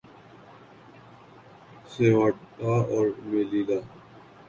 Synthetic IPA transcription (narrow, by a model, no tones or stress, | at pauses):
seːʋaːʈaːɔːɾmeːlilaː